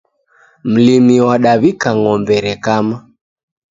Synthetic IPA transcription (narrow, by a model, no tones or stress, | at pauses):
m̩limiwaɗaβikaŋɔmbɛɾɛkama